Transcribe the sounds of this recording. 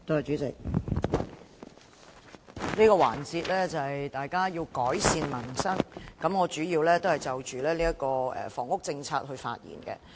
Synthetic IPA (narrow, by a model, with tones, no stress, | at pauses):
t̪o˧˥hɐ˨jt͡ʃyː˨˥t͡sɪ˨k̚ | liː˥kɔː˧wa̰ː˨˩nt͡siː˧t̚lɛː˥t͡sɐ˨jt̪aː˨jkaː˥jiː˧wkɔː˨˥jsiː˧nmɐ˨˩nsɐ˥ŋkɐ˨˥mŋɔː˨˧t͡ʃyː˨˥jiː˧wlɛː˥t̪o˥whɐ˨jt͡sɐ˨wt͡ʃyː˨˩lɛː˥liː˥jɐ˥t̚kɔː˧ɛ̰ː˨˩fɔ̰ː˨˩ŋʊ˥k̚t͡sɪ˧ŋt͡sʰaː˧t̚hɵ˧ɥfa̰ː˧t̚jḭː˨˩nkɛ̰˧